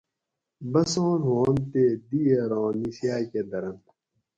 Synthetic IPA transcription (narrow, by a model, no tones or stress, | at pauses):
bɐsõːnɦõːnt̪eːd̪iːɐɾõːnisjaːjked̪ɐɾɐn